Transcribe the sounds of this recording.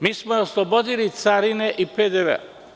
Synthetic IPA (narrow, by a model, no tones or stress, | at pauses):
miːsmooslˠobod̪ilit̪saɾineʔiped̪eʋḛa